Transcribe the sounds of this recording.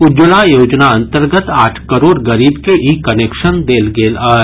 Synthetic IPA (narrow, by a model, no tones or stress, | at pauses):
ʊd͡ʒəlajoːd͡ʒnaɐ̃nt̪əɾɡət̪aːʈʰkəɾoːɾɡəɾiːbkeʔiːkɐneːkʃənd̪eːlɡeːlaː